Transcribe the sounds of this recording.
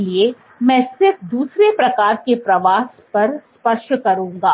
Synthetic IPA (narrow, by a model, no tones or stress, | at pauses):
lie | mɛ̃ːsɪɾfd̪uːsɾepɾɐkaːɾkepɾɐʋaːs | pɐɾspɐʃʈkɐɾũːŋɡaː